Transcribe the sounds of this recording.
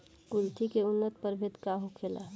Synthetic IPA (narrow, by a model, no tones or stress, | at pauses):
kʊlt̪ikeʊnːət̪̚pəɾbʱɪt̪kaɦokʰela̰